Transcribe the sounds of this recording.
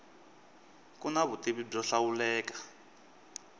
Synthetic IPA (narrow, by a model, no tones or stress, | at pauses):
kunaβutiβib͡ʐɔɬawulɛːkḁ